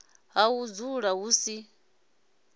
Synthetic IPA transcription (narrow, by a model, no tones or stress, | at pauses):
ɦawud͡zuɺaɦuːsi